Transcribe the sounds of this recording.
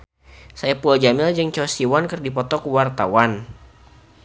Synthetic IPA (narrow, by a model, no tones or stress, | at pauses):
sajapuald͡ʒamɪld͡ʒɨŋt͡ʃɔsiwankɨrdipɔt̪ɔkuwart̪a̰wan